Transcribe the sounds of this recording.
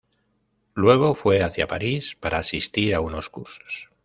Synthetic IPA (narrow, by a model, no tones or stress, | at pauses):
lwe̞ɣ̞o̞fwe̞aθja̰pa̰ɾispaɾaːsist̪iɾauno̞skuɾso̥s